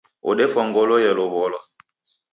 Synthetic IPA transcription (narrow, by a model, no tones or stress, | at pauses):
o̰ɗefɔŋɡolojɛloβɔlɔ